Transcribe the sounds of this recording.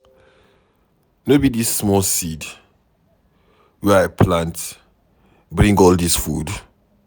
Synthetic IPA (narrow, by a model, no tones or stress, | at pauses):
nobidisːmɔlsid | wɛapʰlãnt | bɹĩŋɡɔldisfud